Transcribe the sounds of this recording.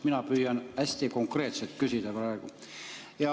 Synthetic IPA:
minɑpyːjːɑnæsʲt̪iko̞ŋkre̞ːt̪selt̪kysʲid̪̥æprɑeɡ̥u | jɑ

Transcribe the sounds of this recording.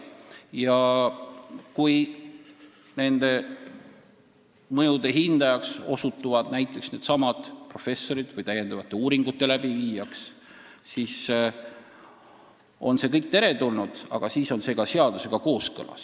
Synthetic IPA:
jɑ | kuj | ne̞nd̪̥e̞ | mɤjud̪e̞ɦind̪̥ɑjɑkso̞̰sut̪ːˑuvɑd̪̥næjt̪ˑːe̞ksne̞ːd̪̥sɑmɑd̪̥pro̞fe̞sːo̞ɾid̪̥vɯjt̪æje̞nd̪ɑvɑt̪ːˑe̞uːɾiŋɡ̥ut̪ˑːe̞læb̥iviːjɑks | sis | o̞̰nse̞kɤjk̚t̪e̞ɾe̞t̪ulnud̪̥ɑ̰ɡ̥ɑsiːso̞nse̞ːɡ̥ɑse̞ɑd̪̥use̞ɡ̥ɑko̞ːskɤ̰lɑ̰s

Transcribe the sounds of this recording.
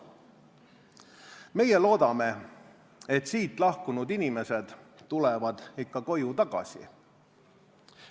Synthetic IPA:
me̞je̞lo̞ːd̪̥ɑme̞ | et̪siːt̪ˑlɑhkunud̪inime̞se̞d̪̥t̪ːulɛvɑd̪̥ikːɑko̞jut̪ɑɡ̥ɑ̰sḭ

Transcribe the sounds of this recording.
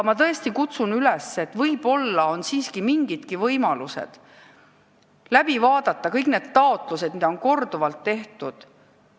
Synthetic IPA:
mɑt̪ɤ̞est̪ikut̪sunylɛsːet̪ːˑvɤjb̥o̞lːɑo̞nsiːskimiŋɡid̪̥kivɤjmɑluse̞̰d̪̥ | læb̥ivɑːd̪ɑt̪ːˑɑkɤjkne̞d̪̥̚t̪ɑo̞t̪ˑlused̪̚mid̪ɑo̞nko̞rd̪̥uvɑlt̪ːe̞ht̪ud̪̥

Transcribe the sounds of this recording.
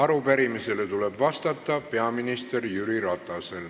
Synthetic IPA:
ɑɾupæɾimise̞le̞t̪ule̞bvɑst̪ɑt̪ːˑɑpe̞ɑminist̪e̞rjyɾiɾɑt̪ːˑɑse̞l

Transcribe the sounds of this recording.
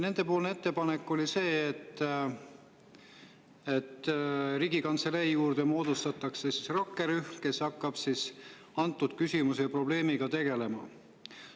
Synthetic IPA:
ne̞nd̪̥e̞po̞ːlneet̪ːe̞pɑnekːˑo̞lʲise̞ːt̪ː | et̪ːɾiːɡikɑnt̪seleijuːrd̪̥e̞mo̞ːd̪̥ust̪ɑt̪ːˑɑksesisrɑkːeɾyhkesɑkˑːɑb̥sis | ɑnt̪ːˑud̪̥kysʲimusejɑpro̞b̥le̞ːmiɡ̥ɑt̪e̞ɡ̥e̞le̞mɑ̰

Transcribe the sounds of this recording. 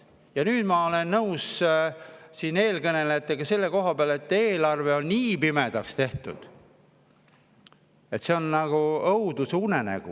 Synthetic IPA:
jɑnyːd̪̥mɑo̞le̞nːɤws | siːne̞ːlkɤnelet̪ːˑeɡ̥ɑse̞lːe̞ko̞ɦɑpeɑle̞t̪ːˑe̞ːlɑrve̞o̞nniːpime̞d̪̥ɑkst̪e̞ht̪ud̪̥ | e̞t̪ːse̞o̞nːɑɡ̥uɤwd̪̥usunenæ̰ɡ̥ṵ

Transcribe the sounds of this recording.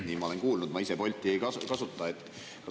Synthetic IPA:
niːmɑo̞le̞nkuːlnud̪̥mɑise̞po̞lʲt̪ːˑiejkɑkɑsut̪ˑːɑet̪ːˑ | kɑ

